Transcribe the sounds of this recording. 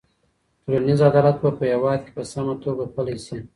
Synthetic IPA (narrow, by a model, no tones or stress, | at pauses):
p̪ɾanizad̪ɑlat̪̚bapəjawɑd̪̚kʲe̥pəsamat̪oɡapəlasi